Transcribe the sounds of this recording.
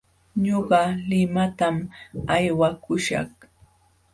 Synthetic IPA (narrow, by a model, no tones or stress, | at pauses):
ɲoɢɑlɪmat̪amajwakʊʃɑ̰χ